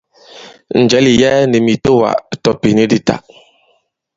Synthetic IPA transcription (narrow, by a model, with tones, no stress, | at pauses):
n̩˨d͡ʒɛ˨˦li˨jɛ˦ne˨mi˨to˦wa̰˨tɔ˦pi˨ne˦di˦ta̰˦ʔ